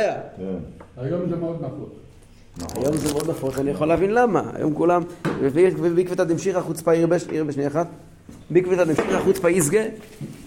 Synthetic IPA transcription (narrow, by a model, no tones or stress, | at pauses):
eakenajomzemeod̪maflot | o̰a̰jo̞mzemeod̪afoʁʃanijaχoleavinlama̰a̰jo̰mkulamvvebikvet̪ad̪imʃiχaχut͡spaiʁbeʃiʁbeʃniaχat̪̚ | bikvet̪ad̪imʃiχaχut͡spaizɡe